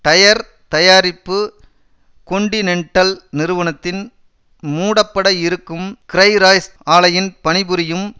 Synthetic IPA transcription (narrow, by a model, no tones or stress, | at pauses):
t̪ɐjɐɾ | t̪ɐjaːɾɪpːɯ | kɔɳɖɪnɛɳʈːɐlnɪɾɯʋɐnɐt̪ːɪn | muːɽɐpːɐɽɐɪɾɯkːɯmkɪɾɐɪɾaːjsaːlɐjɪnpɐɳɪbɯɾɪjɯm